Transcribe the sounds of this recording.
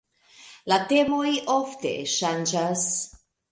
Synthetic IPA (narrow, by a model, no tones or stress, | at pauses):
late̞mo̞jʔoftḛʃand͡ʒas